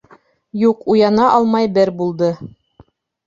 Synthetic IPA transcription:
juqujɑnɑʔɑlˠmɑjbɘɾbulˠd̪ɤ

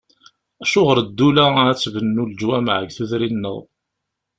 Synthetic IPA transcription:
æʃʊʁəɾd̪ːulææt͡sːvənːuld͡ʒwæmʕə̰ɡθuðɾinːə̰ðˤ

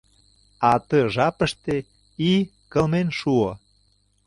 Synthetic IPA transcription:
ɑt̪ɤʒɑpə̆ʃt̪e | i | kə̆lmenʃuŏ

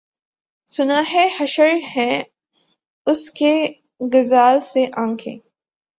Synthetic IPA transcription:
sʊnaːɦehɐʃəɾhɛ̃ | ʊske | ɡɐzaːlseʔãːkʰḛ̃ː

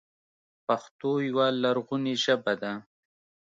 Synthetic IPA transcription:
paxt̪ojwalaɾɣuniʒəbad̪a

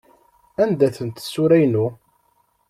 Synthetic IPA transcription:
ænd̪æθənt̪sːuɾæjnu

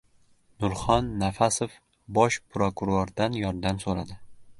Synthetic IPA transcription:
nʊɾχɒnːafasof | bɒʃpɾokuɾoɾd̪anjɒɾd̪amsoɾad̪ɪ

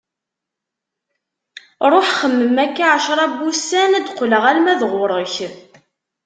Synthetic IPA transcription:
ɾˤoħχəmːəmækːaʕəʃɾˤɑbːusænæd̪qləʁælmæðʁʊɾˤəç

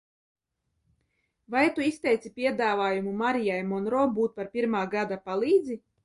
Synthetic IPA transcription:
vajt̪uist̪ɛjt̪sʲipʲiɛd̪aːvaːjumumaɾijajmɔnɾɔːbuːt̪̚paɾpʲiɾmaːɡad̪apalˠiːd̪zi

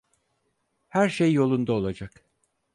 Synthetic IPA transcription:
hæɾʃejːo̞lˠund̪aolˠad͡ʒak

